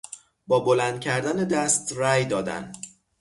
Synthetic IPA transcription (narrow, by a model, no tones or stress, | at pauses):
bɒːbolænd̪̚cʰæɾd̪æned̪æst̪ræːjd̪ɒːd̪æ̰n